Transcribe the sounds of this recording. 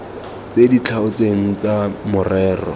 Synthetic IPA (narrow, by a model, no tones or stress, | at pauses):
t͡sedit͡ɬʰaʊt͡seŋ̩t͡samʊrɛːrɔ̰